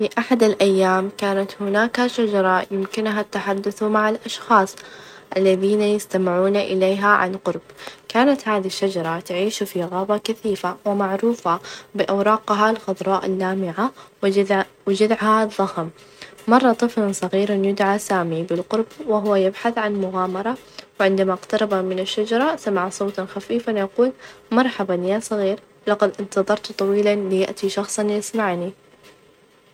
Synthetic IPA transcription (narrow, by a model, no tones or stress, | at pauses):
fiʔaħad̪ɪlʔajːaːmkaːnat̪hʊnaːkhaʃad͡ʒɑɾˤɑjɪmkɪnɦat̪ːaħad̪ːʊθmaʕalʔɑʃxɑːsˤ | ʔalːaðiːnajɪst̪amɪʕuːnaʔɪleːɦaʕa̰nqʊɾbkaːnat̪haːðiʃːad͡ʒɑɾˤɑt̪aʕiːʃufiɣaːbɑkaθiːfawɪmaʕɾuːfabɪʔawɾˤɑːqɦalxʊðˤɾˤɑːʔɪlːaːmɪʕa | wɪd͡ʒad̪ʕhaðˤːɑhm | mɑrˤːɑt̪ˤɨflansˤɑɣiːɾanjʊd̪ʕasaːmibɪlqʊɾbwɪɦʊwajɪbħaθʕanmʊɣaːmɑɾˤɑ | wɪʕɪnd̪amaʔqt̪ɑɾˤɑbamɪnaʃːad͡ʒɑɾˤɑsamaʕsˤoːt̪xafiːfanjaquːlmɑɾˤħabanjasˤɑɣiːɾ | lɑqɑd̪ʔɪnt̪ɑðˤɑɾˤt̪t̪ˤɑwiːlanlɪja̰ʔt̪iʃɑxsˤɑnjɪsmaʕni